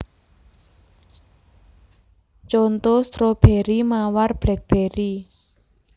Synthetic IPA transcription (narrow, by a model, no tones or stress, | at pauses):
t͡ʃont̪ost̪ɾob̥eɾimawarb̥lɛk̚b̥eɾi